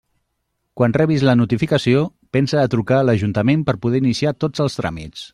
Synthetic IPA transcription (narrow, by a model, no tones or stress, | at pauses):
kwanrɛβizlənut̪ifikəsio | pɛnsəːt̪ɾukaləʒunt̪əmempəɾpuðɛinisiat̪od͡zəlˠst̪ɾa̰mḭt͡s